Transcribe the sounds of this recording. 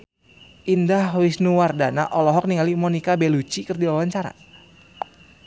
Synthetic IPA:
ʔindahwisnuwardanaʔɔlɔɦɔk̚niŋalimɔnikabelut͡ʃikɨrdiwawaɲt͡ʃaɾa̰

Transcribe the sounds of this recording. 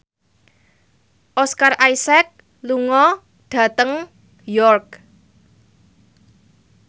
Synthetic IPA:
ʔɔskarʔajsɛk̚ | luŋɔ | ɖ̥ä̤t̪əŋ | jɔrk̚

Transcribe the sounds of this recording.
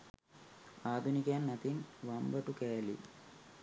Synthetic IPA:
aːd̪ʱunikaːnːɐt̪inʋambɐʈukeːlḭ

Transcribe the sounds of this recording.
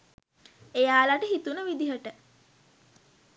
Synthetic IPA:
ejaːlaʈəɦit̪unəʋid̪iɦəʈə

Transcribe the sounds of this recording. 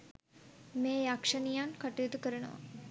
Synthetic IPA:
meːjakʂɐnijankaʈujit̪ukəɾɐnɐʋa̰

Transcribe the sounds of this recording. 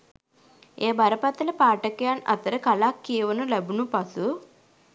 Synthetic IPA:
eːbɐɾɐpɐt̪ɐlɐpaːʈɐkjaːnɐ̰t̪ɐɾɐkɐlaːkːiːʋɐnulɐbunupɐsu

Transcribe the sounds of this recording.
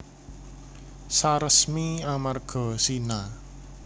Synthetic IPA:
saɾəsmiamarɡ̥ɔ̤sina

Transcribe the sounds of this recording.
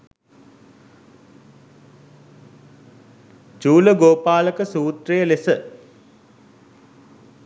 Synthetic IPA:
t͡ʃuːləɡoːpaːləkəsuːt̪rejəlesə

